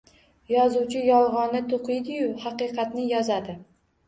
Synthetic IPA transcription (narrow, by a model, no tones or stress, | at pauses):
jɒzuwt͡ʃʰɪjɒlˠʁɒnɪt̪ʰoqɨjd̪ɪjʊhɑqɨqʰɑt̪nɪjɒzad̪ɪ